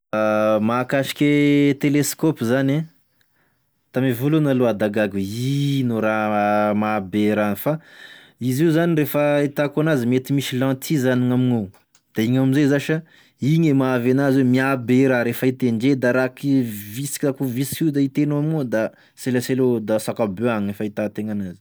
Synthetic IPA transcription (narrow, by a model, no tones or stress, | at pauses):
makaʃi̥kʲet̪eleskɔpzane | t̪amivolonaload̪aɡaɡuinoɾamabeɾanifa | iziuzaniɾefəit̪akanazimet̪imiʃilãt̪ʰizaniŋamiŋo | d̪̥aiɲaamizezaʃa | iɲemavanazwemiabeɾaɾefəit̪eɳɖ͡ʐed̪aɾakivisi̥kʲakuviskid̪ait̪enoamiŋod̪a | selaselod̪asakabøaɲefait̪at̪eŋanazi̥